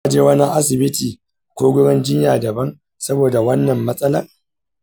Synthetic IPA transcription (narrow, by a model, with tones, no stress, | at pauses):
a˦˨d͡ʒeː˦wɐ˦na˦ŋʔa˦s̬ɪ˨bɪ˦tiː˨ | kʷoː˦ɡʷʊ˦ɽɪ˦nd͡ʒɪ˦ɲjaː˨dɐ˨bɐ˦ŋ | sɐ˦boː˨da˨wɐ˦nːɐ˨mːɐ˦sʼɐ˦lɐ̰˦ŋ